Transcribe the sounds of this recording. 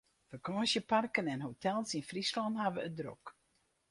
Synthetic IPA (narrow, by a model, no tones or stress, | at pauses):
fərkɔːsjəparkənɛnɦotʰɛlˠsinfrislɔnɦaʋəədro̰k